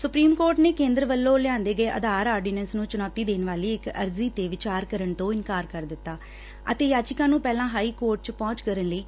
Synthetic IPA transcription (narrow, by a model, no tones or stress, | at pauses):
sʊpɾiːmkoːɾʈneːkẽːnd̪ɾəʋəlːõːlɪjãːnd̪eːɡəeːʔə̰d̪aːɾaːɾɖiːnɛnsnũːt͡ʃʊnɔːt̪iːd̪eːnʋaːliːɪkə̰ɾziːt̪eːʋɪt͡ʃaːɾkəɾəɳt̪õːɪnkaːɾkəɾd̪ɪt̪ːaː | ə̰t̪eːjaːt͡ʃɪkãːnũːpɛːlãːɦaːiːkoːɾʈ̚t͡ʃpɔ̃ːt͡ʃkəɾənləiː